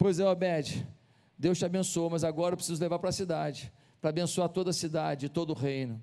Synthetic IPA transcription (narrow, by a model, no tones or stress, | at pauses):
pojzẽbɛd͡ʒɪ | d̪ewst͡ʃɪabẽsuomɐzaɡɔɾɐewpɾɪ̥sizʊlevaɾpɾɐsid̪ad͡ʒɪ | pɾɐaːbẽsuaɾt̪od̪ɐsid̪ad͡ʒɪɪt̪od̪ʊʊɦẽjnʊ